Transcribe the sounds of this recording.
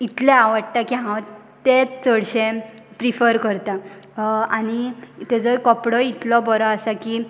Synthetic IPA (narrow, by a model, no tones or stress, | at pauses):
it̪lẽaʋəɽ̚t̪akiɦãw | t̪et͡səɽɕẽ | pɾifəɾkəɾt̪a | añit̪ed͡zɔjkɔpɽɔit̪lɔbɔɾɔasaki